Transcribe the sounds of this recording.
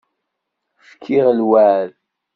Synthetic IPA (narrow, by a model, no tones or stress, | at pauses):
fkʰiʁlwæːɾ